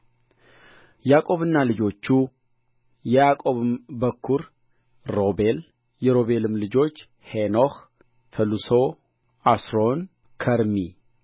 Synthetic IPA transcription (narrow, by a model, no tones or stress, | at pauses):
jakʼo̞βɨnːalɨd͡ʒo̞t͡ʃːu | jɛjakʼo̞βɨmbəkʰːuɾ | ɾo̞be̞l | jɛɾo̞βe̞lɨmlɨd͡ʒo̞t͡ʃː | heno̞h | fəluso̞ | asɾo̞n | kʰəɾmi